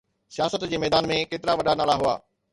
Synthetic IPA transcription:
sijaːsət̪d͡ʑeːmɛːd̪aːnmẽkeːt̪ɪɾaʋɐɗanaːɭaɦua̰ː

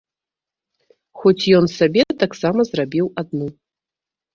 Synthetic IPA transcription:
xɔt͡sʲjɔnsabʲɛt̪aksamɐzrabʲiwad̪̚nu

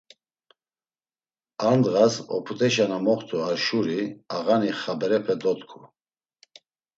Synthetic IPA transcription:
and̪ʁasɔ̰pʰut̪ʼɛʃanamɔχt̪ʰʼuaɾʃuɾiaɣaniχabɛɾɛpʰɛd̪ɔt̪kʰu

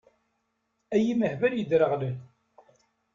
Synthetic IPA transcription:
æjiməħvæljəd̪ɾəʁlən

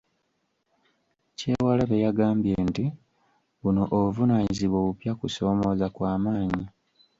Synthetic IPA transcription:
ce̞ːwalaβejaɡaːmbje̞nti | βuno̞ʔoβuvunaːɲiziβwoβupjakuso̞ːmo̞ːzakwaːmaːɲi

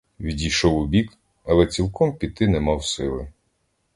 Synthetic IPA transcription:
ʋʲidʲijʃɔwʊbʲik | ɐlˠɛt͡sʲilˠkɔmpʲit̪ɪnɛmɑwsɪlˠɪ

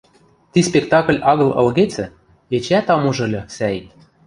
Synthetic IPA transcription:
t̪ispʲek̚t̪ɑkə̆lʲɑɣɤ̆lɤ̰̆lɣet͡sɘ̆ | et͡ɕæt̪ɑmuʒɤ̆lʲɤ̆sæit̪

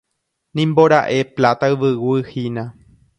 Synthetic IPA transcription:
nĩmboɾaʔe̞plat̪aɨʋɨwɨhinã

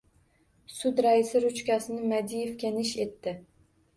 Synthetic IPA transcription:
sʊd̪ɾaɪsɪɾʊt͡ʃkʲasɪnɪmad̪ije̞fkʲanɪʃe̞t̪ːɪ

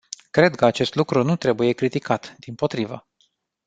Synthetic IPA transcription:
kɾe̞d̪kəat͡ʃe̞st̪lukɾunut̪ɾe̞buje̞kɾit̪ikat̪d̪impo̞t̪ɾivə̰

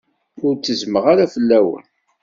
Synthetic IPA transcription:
ʊɾt͡sːəzməʁaɾafəlːæwə̰n

